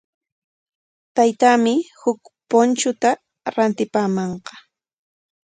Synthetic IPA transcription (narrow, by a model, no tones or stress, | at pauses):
t̪ajt̪aːmɪhʊkpont͡ʃʊt̪a | ɾant̪ɪpaːmɑɴqɑ̥